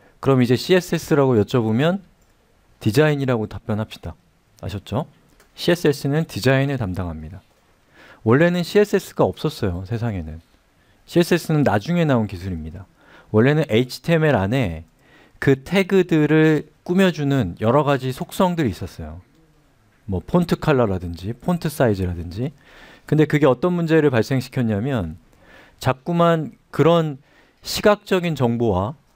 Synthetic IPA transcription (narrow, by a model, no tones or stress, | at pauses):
kɯɾʌmid͡ʑe̞ɕʰie̞s͈e̞s͈ɯɾaɡojʌt͡ɕ͈ʌbomjʌn | tid͡ʑaiɲiɾaɡotap͈jʌnɦapɕ͈i̥d̥a | a̰ɕʰʌt̚t͡ɕ͈o | ɕʰie̞s͈ɯe̞s͈ɯnɯntid͡ʑainɯɭtamdaŋɦamɲida | wʌɭːe̞nɯnɕʰie̞s͈e̞s͈ʰɯ̥ɡaʌp̚s͈ʌs͈ʌjosʰe̞s̬ʰaŋe̞nɯn | ɕʰie̞s͈ʰe̞s͈ɯnɯnːad͡ʑuŋe̞naonkisʰuɾimɲida | wʌɭːe̞nɯnʔe̞it͡ɕʰi̥tʰe̞meɾane̞ | kɯtʰe̞ɡɯdɯɾɯɭk͈umjʌd͡ʑunɯnjʌɾʌɣad͡ʑisʰok̚s͈ʌŋdɯɾis͈ʌs͈ʌjo | mwʌpʰontʰɯkʰaɭːʌɾadɯnd͡ʑipʰontʰɯs͈aid͡ʑɯɾadɯnd͡ʑi | kɯnde̞kɯɡe̞ʌt͈ʌnmund͡ʑe̞ɾɯɭpaɭs͈e̞ŋɕʰi̥kʰjʌɲamjʌn | t͡ɕak̚k͈uman | kɯɾʌn | ɕʰiɡak̚t͡ɕ͈ʌɡint͡ɕʌŋbowa